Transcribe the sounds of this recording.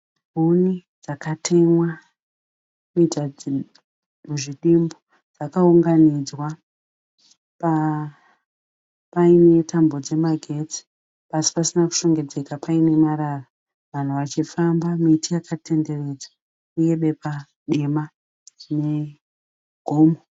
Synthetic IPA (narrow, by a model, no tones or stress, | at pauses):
bʱunid͡zakatʰe̞mwa | mita | uʐiɗimbo | d͡zakauŋɡanid͡zwa | pa | paine̞tʰambo̞d͡ze̞maɡʱe̞t͡si̥ | pasi̥pasinaku̥ʃo̞ŋɡe̞d͡ze̞kapaine̞maɾara | ʋan̤uʋat͡ʃifambamitijakʰate̞nde̞re̞d͡za | uje̞ɓe̞pa | ɗema | ne̞ | ɡ̥ʱoːmo